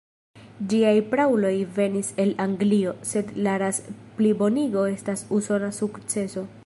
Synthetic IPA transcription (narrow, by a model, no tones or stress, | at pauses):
d͡ʒiajpɾawlo̞jve̞nise̞laŋɡlio̞se̞dlaɾasplibo̞niɡo̞e̞stasuso̞nasukt͡se̞so̞